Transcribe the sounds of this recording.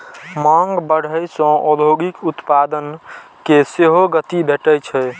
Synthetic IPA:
maŋɡbəɽ̤əjsɔ̃ʔɔb̪ʱoɡikut̪pad̪ən | keseɦoɡət̪ibʱeʈət͡ʃʰɛ

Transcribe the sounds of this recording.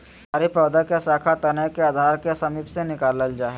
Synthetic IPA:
ɐɾipɾɐwd̪əkesaːkʰat̪ɐnəkeaːd̪ʱaːɾkesɐmiːpsenɪkaːləld͡ʒaːɦɛ

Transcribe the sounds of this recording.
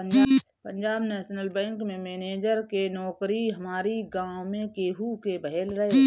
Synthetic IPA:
əɲd͡ʒaː | pə̃ɲd͡ʒaːbnɛːʃnəlbɛ̃ːŋkmẽmeːneːd͡ʒəɾkenɔːkɾiɦɐmaːɾiɡãːwmẽkeːɦukebəɦɛlɾɐɦe

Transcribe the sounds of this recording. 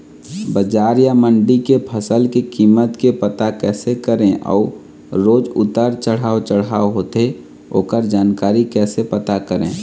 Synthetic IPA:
bəd͡ʒaːɾjaməɳɖikepʰəsəlkekiːmːət̪kepət̪akɛːsekəɾẽʔɔ̰ː | ɾoːd͡ʒʊ̰t̪əɾt͡ʃəɽ̤ɦaːot͡ʃəɽaːoɦoːt̪e | o̰ːkəɾd͡ʒaːnkaːɾikɛːsepət̪akəɾḛ̃ː

